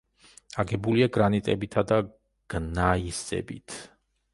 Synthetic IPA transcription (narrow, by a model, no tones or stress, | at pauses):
aɡɛbuliaɡɾanit̪ʼɛbit̪ʰad̪a | ɡ̥naisɛ̰bḭt̪ʰ